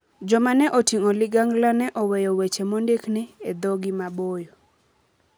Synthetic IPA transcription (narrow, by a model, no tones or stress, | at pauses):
d͡ʒɔmanɛʔotiŋolɪɡaŋɡlanɛʔɔwɛjɔwet͡ʃemondeknɪed̪ɔɡɪmabojo